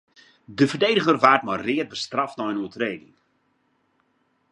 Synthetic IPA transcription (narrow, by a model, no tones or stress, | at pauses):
dəvərdejdəɣərʋaːrtmɔjrɪət̚bəstrɑftnɔjənuətreːdɪ̰ŋ